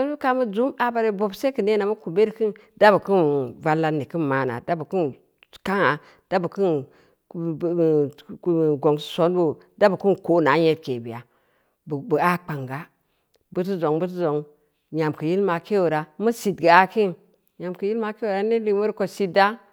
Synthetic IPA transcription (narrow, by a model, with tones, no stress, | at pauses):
o˦bu˦ka˨mu˦d͡zu˦ma˨ba˨ɾe˨bo˨bse˦kə˨ne˦na˨mu˦ku˨be˦ɾki˦n | da˦bə˨ki˦nva˦lːa˦ni˨ki˦nma˨˦na̰˨da˦bə˨ki˦n | ka˦ŋa˨ | d̥a˦bə˨ki˦n˨ | ɡo˨ŋsso˨˦nbo˦ | da˦bə˨ku˦nko˦na˨˦je˦tke˨bi˨ja̰˨ | bə˨bə˨a˦k͡pa˨ŋɡa˦ | bu˦t̬i˦zo˨ŋbu˦ti˦zo˨ŋ | ɲa˨mkə˨ji˦lma˨ke˦wo˨ɾa˨mu˦si˨dɡa˨a˦ki˦n | ɲa˨mkə˨ji˦lma˨ke˦wo˨ɾa˨˦ne˦li˦mu˦ɾko˨si˦dːa˦